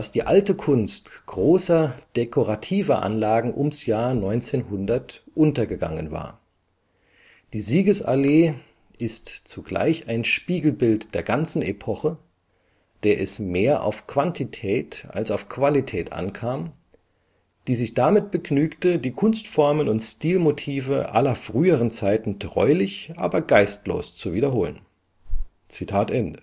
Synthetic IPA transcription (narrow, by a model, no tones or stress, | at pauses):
asd̥iːʔaltəkʰʊnstɡ̥ʁoːsɐd̥ekʰoʁatʰiːvɐʔa̰nlaːɡŋ̩ʔʊmsjaːɐnɔʏnt͡seːnhʊndɐtʔʊntɐɡəɡa̰ŋənva̰ːɐ | d̥iːziːɡəsʔa̰leː | ʔɪstt͡suɡ̥la̰ɪçaɪnʃpiːɡl̩bɪltd̥eːɐɡant͡sn̩ʔepʰɔχə | d̥eːɐʔɛsmeːɐʔa̰ʊfkv̥antʰitʰɛːta̰lsaʊfkv̥alitʰɛːtʔa̰nkʰaːm | d̥iːzɪçd̥amɪt̚b̥əɡnyːktədiːkʰʊnstfɔɐmənʊntstiːlmotʰiːvəʔa̰lɐfʁ̥yːəʁənt͡saɪtn̩tʁ̥ɔ̰ʏlɪçʔa̰ːbɐɡaɪstlo̰ːst͡suviːdɐɦoːlən | t͡sitʰaːtʔɛndə